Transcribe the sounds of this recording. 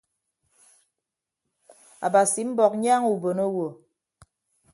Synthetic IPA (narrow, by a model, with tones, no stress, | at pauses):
a̰˨ba˨si˨m̩˦bɔ˨k̚ɲaː˦ŋu˨bo˨no˦wo˨